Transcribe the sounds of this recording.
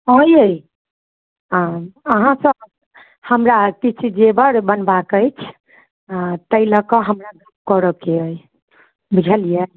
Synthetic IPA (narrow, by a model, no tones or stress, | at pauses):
ɦəjəj | əɦãsʌ̃ | həmɾaːɾt̪it͡ʃʰid͡ʒebəɾbənbakəjt͡ʃʰ | t̪əiləkɔɦəmɾaɡɾup̚kɔɾəkeəj | bʱud͡ʒʱəlijə